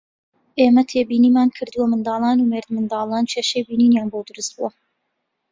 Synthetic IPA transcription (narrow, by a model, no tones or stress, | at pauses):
ʔeːmɐt̪ʰeːbiːniːmaːnkʰɨɾd̪uwɐmɨnd̪ɑːlˠɑːnumeːɾd̪mɨnd̪ɑːlˠɑːnt͡ʃʰeːʃejbiːniːnjaːnbod̪ɨɾust̪̚buwɐ